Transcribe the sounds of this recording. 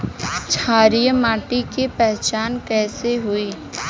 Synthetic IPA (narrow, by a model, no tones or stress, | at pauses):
t͡ʃʰaːɾijəmaːʈikepɛɦt͡ʃaːnkɛːseɦʊiː